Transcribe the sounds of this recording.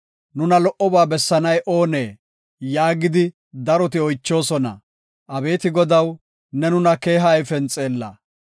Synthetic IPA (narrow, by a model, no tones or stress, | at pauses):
nʊnɐlɔʔɔbaːbɛsːɐnɐjʔoːne̞ː | jaːɡɪd̪ɪ | d̪ɐɾɔt̪̬ɪɔjt͡ʃːo̞ːsɔnɐ̰ | ʔɐbe̞ːt̪ɪɡɔd̪ɐw | nɛnʊnɐke̞ːɦɐjfɛnt͡sʼeːlːɐ̰